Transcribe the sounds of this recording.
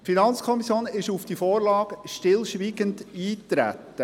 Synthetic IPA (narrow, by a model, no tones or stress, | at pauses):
finɑnt͡skʰɔmisjoːnɪʃufd̥ifoːɾlɑːɡ̥ʃtɪlʃʋiːɡəndiːtɾæ̰tːə